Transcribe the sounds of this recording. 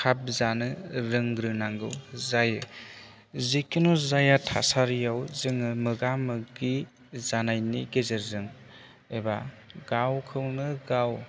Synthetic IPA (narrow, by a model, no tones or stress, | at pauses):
kʰap̚zanɯɾɯŋɡɾɯnaŋɡɯwzajɯ | zikːinɔzajatʰa̰saɾjawzɯŋɯmɯɡamɯɡi | zanajniɡezɯɾzɯŋ | ebaɡawkʰɯwnɯɡaw